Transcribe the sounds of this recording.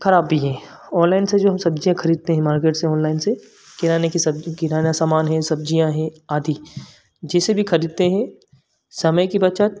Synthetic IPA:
kɐɾaːbːid͡ʒɛ̃ː | ɔːnlaːɪnsed͡ʒoːɦɐmsɐb̚d͡ʒijãkʰɐɾiːd̪̚t̪eɦɛ̃maːɾkeːʈseɔ̃ːnlaːɪnse | kɪɾaːnekisɐbkɪɾaːnjasaːmaːnɦɛ̃sɐb̚d͡ʒijãɦɛ̃aːd̪ʱi | d͡ʒɛːsebʱikʰɐɾiːd̪̚t̪eɦɛ̃ | sɐməjkibɐt͡ʃət̪̚

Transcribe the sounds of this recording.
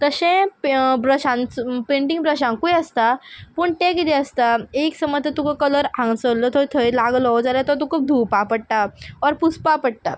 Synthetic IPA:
k̪əɕẽpbɾəɕãnt͡spẽɳʈĩŋɡbɾəɕãŋkujəst̪apəɳʈẽkit̪eəst̪aeksəməd̪ʱət̪ukəkələɾãŋɡsələt̪ʰojt̪ʰəjlaɡlɔd͡zaljat̪ɔt̪̬ukʰuːp̚d̪ʱupapəɽʈaɔɾpuspapəɽʈ̪a

